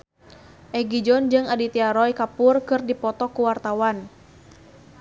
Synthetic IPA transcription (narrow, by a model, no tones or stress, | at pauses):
ʔɛɡid͡ʒɔnd͡ʒɨŋadit̪iaɾɔjkapʊrkɨrdipɔt̪ɔkuwart̪awan